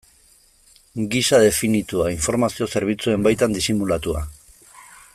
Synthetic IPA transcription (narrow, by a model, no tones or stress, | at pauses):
ɡisaðe̞finit̪uaiɱfo̞ɾmasio̞se̞ɾβ̞it͡sue̞mbajt̪and̪isimulat̪ua̰